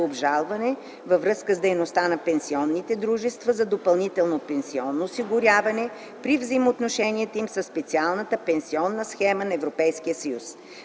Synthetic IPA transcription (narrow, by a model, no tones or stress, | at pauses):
obʒalˠvɐnɛ | vəvɾɤskəzd̪ɛjnost̪anɐpɛnsiɔnːit̪ɛd̪ɾuʒɛst̪vəzɐd̪opɐlˠnit̪ɛlˠnopɛnsiɔnːoːsiɡʊɾʲjavɐnɛ | pɾivzɐjmot̪noʃɛniɛt̪oimsəsːpɛt̪sialˠnət̪əpɛnsiɔnːəsxɛmənɐɛvɾopɛjsk̟ijəsɐjus